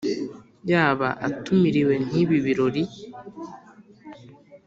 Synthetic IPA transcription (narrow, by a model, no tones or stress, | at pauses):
jaːβaʔa̰tumiɾiwe̞n̥iβiβiɾo̞ɾi